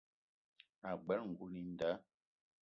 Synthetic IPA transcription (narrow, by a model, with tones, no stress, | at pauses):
a˨ɡ͡bɛ˨˦lŋ̩˨ɡu˦ni˦n˦da˨˦